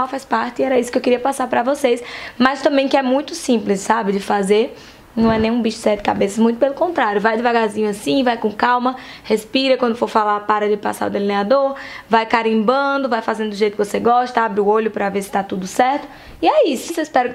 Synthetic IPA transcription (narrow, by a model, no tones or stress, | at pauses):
awfajspaɾt̪ɪɛɾɐisʊ̥kɪewkɪɾiɐpasaɾpɾɐvosesmɐst̪ɐ̃mbẽj̃kɪɛmũj̃t̪ʊsĩplɪsːabɪd͡ʒɪfazeɾ | nɐ̃w̃ɛnẽj̃ũbiʃʊ̥sɛɾd̪ɪ̥kabesɐzmũj̃t̪ʊ̥pelʊkõnt̪ɾaɾjʊvajd̪ɪvaɡazĩɲʊasĩvajkõkawmɐ | hespiɾɐkwɐ̃nd̪ʊfoɾfalapaɾɐdɪpa̰sa̰ɾʊd̪elinead̪oɾvajkaɾĩbɐ̃d̪ʊvajfazẽd̪ʊd̪ʊʒejt̪ʊkɪvoseɡɔʃt̪ɐabɾɪʊoʎʊpɾɐveɾsɪ̥t̪at̪ud̪ʊsɛɾt̪ʊ̥ | iɛisʊseispɛɾʊ